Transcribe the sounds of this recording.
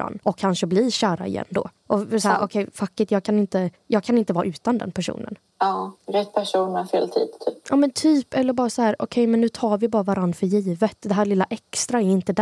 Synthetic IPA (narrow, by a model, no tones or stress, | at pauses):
a̰nːɔkʰːanʂəbliɕæːɾa̰ɪ̰jɛ̰nd̪o̰ːʔɔsahæʔɔkʰɛjfakːɪt̪jɑːɡkʰanɪnt̪ə | jɑːɡ̚kʰanɪnt̪əvɑːʔʉ̟ːt̪and̪ɛ̰npʰæʂṵːnʔə̰n | ɑːɾɛt̪̚ːpʰæʂuːnafeːlt̪ʰḭːd̪̥t̪ʰyːpʔɑːmɛnt̪ʰyːpɛlːəɾbɑːɾasɔhæːɾɔ̰kʰɛjmɛnːʉ̟ːt̪ʰɑːɾvɪbɑːɾavaɾanɾfœɾjiːvət̪d̪ɛɦæːɭɪlːaʔɛkst̪ɾaɛɾɪnt̪əd̪